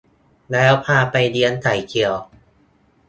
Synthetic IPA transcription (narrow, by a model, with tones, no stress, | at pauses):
lɛː˦˥wpʰaː˧pa˧jdi˧ənt̪ʰa˩˦jkʰi˧˩əw